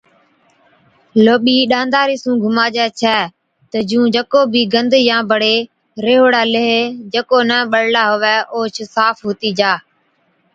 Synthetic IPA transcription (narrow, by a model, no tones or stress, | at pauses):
loːɓiːɗãːnd̪aːɾiːsũːɡʱʊmaːd͡ʒɛːt͡ʃʰɛː | t̪əd͡ʒũːd͡ʒəkoːbʱiːɡənd̪jãːbəɽeː | ɾeːɦoːɽaːləɦed͡ʒəkoːnəːɓəɽlaːɦʊʋɛːʔoːt͡ʃʰsaːfɦoːt̪iːd͡ʒaː